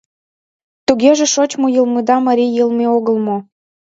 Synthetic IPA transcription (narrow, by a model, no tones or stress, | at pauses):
t̪uɣeʒĕʃot͡ɕmojəlˠmɤd̪ɑməɾʲijɯlˠmeoɣəlmo